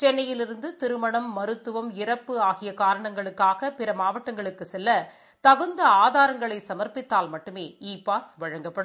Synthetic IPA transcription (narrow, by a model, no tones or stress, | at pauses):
t͡ʃɛnːɐjɪlɪɾɯnd̪ɯt̪ɪɾɯmɐɳɐmːɐɾɯt̪ːɯʋɐmɪɾɐpːɯaːɣɪjɐkːaːɾɐɳɐŋɡɐɭɯkːaːɣɐpɪɾɐmaːʋɐʈːɐŋɡɐɭɯkːɯsɛlːɐ | t̪ɐɣɯnd̪ɐaːðaːɾɐŋɡɐɭɐɪsɐmɐɾpɪt̪ːaːlmɐʈːɯmeːiːpaːsʋɐɻɐŋɡɐpːɐɽɯ